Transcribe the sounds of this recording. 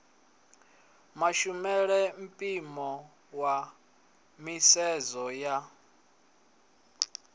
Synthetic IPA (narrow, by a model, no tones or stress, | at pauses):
maʃumɛɺɛm̩pʼimɔ | wa | misɛzɔja